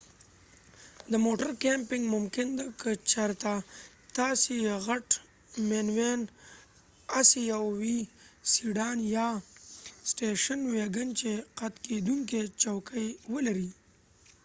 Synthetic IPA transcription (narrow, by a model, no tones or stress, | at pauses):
d̪əmoʈəɾkempɪŋɡmʊmkɪnd̪akət͡ʃaɾt̪a | t̪asijeɣaʈ | menwen | asijawwisiɖɑːnja | sʈeʃənweɡənt͡ʃeqat̪ked̪uŋket͡ʃawkʰəjwəlaɾi